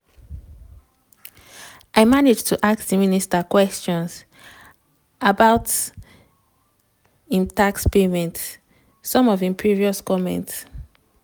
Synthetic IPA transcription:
aɪmaned͡ʒtʰuʔak̚tdəministakwɛst͡ʃɔ̃ns | abaʊt | ĩmtakspemɛ̃nt | sɔ̃mɔvĩmpʰɹiviɔskɔmɛ̰̃nts

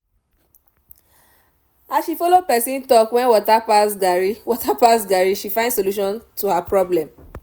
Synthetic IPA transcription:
asʃifɔlopɛsĩntɔkwɛ̃nwɔtapasɡaɹiwɔtapasɡaɹiʃifãndsoluʃ̬ɔ̃ntuhapɹɔblɛ̃m

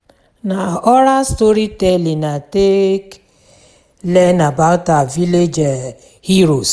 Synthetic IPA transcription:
naɔɾastoɾitɛlinatek | lɛnabaʊtaviled͡ʒ | hiɾos

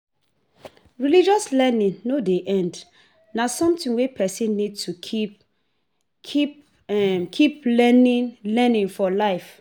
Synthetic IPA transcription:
ɹilid͡ʒɔslɛnĩnnodeʔɛ̃nd | nasɔ̃mtĩnwepʰɛsĩnːid̚tukʰi | kʰip | ɛmkʰiplɛnĩnlɛnĩnfɔlaɪf

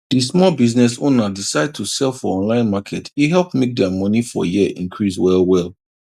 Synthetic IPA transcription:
d̥ismɔlbiznɛsonadisaɪd̚tʰusɛlˠfɔɔ̃nlãɪ̃nmakʰɛtʰiɦɛlˠpmek̚dɛmɔnifɔ̰jiəʔḭ̃nkʰɹiswɛlˠwɛlˠ

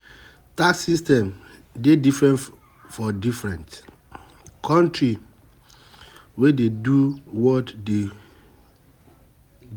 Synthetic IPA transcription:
taksistɛ̃mdedifɹɛ̃n | fɔdifɹɛ̃nt | kʰɔ̃ntɹi | wededuwɔtde

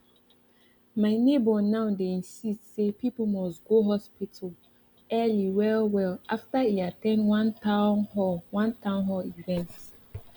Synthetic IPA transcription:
maɪnebɔnãʊdeĩnsistsepip̩mɔstɡoɦɔspitʰəl | ɛliwɛlwɛlaftaiatɛ̃ndwãntanhɔwãntʰãʊ̃nɦɔivɛ̃nts

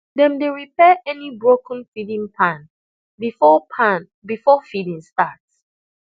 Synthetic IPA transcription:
dɛ̃mdeɹipʰɛʔɛnibɹokə̃n̩fidĩŋpʰãn | bifɔpʰãn | bifɔfidĩŋstats

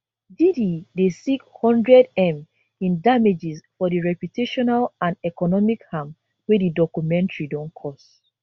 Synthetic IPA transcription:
dididesikhɔ̃ndɹɛdɛ̃m | ĩndamed͡ʒisfɔdiɹɛpjutʰeʃɔnalãndɛkɔnɔmikhãm | wedidɔkumɛ̃ntɹidɔ̃nkʰɔs

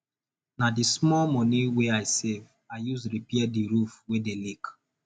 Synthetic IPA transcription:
nadismɔlmɔniweaɪsev | aɪjusɾipiadiɾufwedelik

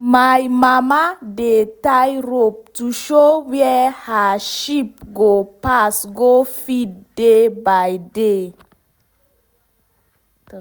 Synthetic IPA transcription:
majmamadetajɾop̚tuʃowjɛhaʃip̚ɡopasɡofid̚debajde

